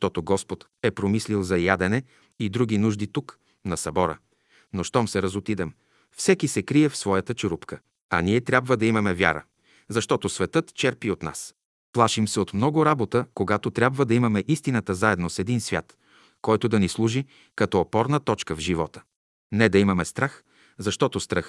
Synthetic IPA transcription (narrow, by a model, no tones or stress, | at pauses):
t̪ɔt̪oɡɔspot̪ | ɛpɾomislilˠzɐjad̪ɛnɛ | id̪ɾuɡ̟inuʒd̪it̪uk | nɐsɐbɔɾə̰ | noʃt̪ɔmsɛɾɐzot̪id̪ɛm | fsɛkisɛkɾiɛfsvɔjət̪ət͡ʃʊɾupkə | ɐ̰nʲiɛt̪ɾʲabvəd̪ɐimɐmɛvʲja̰ɾə̰ | zɐʃt̪ɔt̪osvɛt̪ɤt̪t͡ʃɛɾpiot̪na̰s | plˠaʃimsɛot̪mnɔɡʊɾabot̪əkoɡat̪ot̪ɾʲabvəd̪ɐimɐmɛʔist̪inət̪əzaɛd̪nosɛd̪insvʲja̰t̪ | kɔjt̪ʊd̪ɐnislˠuʒi | kɐt̪ɔːpɔɾnət̪ɔt͡ʃkəvʒivɔt̪ə̥ | nɛd̪ɐimɐmɛst̪ɾax | zɐʃt̪ɔt̪ost̪ɾəx